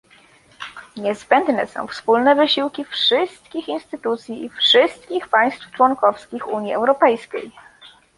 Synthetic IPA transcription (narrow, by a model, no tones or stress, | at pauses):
ɲɛzbɛnd̪nɛsɔ̰̃w̃fspulnɛvɘɕiwkʲifʂɘst̪̚kʲixinst̪ɘt̪ut̪sʲjiifʂɘst̪̚kʲixpaj̃st̪ft͡ʂwɔnkɔfskʲixuɲiɛ̰wɾɔpɛjskʲḛj